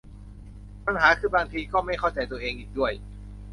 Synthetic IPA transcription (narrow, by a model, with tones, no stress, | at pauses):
pa˧nɦaː˩˦kʰɯː˧˩baː˧ŋt̪ʰiː˧kɔː˥˩ma˥˩jkʰa˥˩wt͡ɕa˧jt̪u˧ɐəʔeː˧ŋʔiː˨˩k̚du˥˩əj